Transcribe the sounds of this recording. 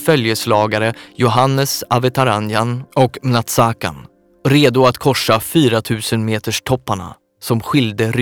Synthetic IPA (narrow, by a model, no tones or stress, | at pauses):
fœljəslɑːɡaɾəjʊɦanːəsavɛt̪ʰaɾanjanɔkmnat̪saːka̰n | ɾeːd̪ʊat̪kʰɔʂːafyːɾat̪ʰʉ̟ːsənmeːt̪əʂʈʰɔpːaɳa̰ | sɔmɧɪld̪əɾ